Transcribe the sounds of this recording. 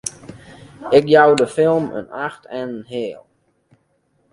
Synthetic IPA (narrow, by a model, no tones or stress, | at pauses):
ɪkjawdəfɪlˠmə̰naxtʰɛnənɦɪːlˠ